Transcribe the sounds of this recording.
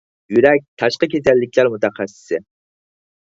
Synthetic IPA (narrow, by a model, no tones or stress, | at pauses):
jyɾɛk̚ʲt̪ʰɑʃqəkʲʰet̪ɛlːɪkʲʰlæɾmut̪æχæsːɪ̥sɪ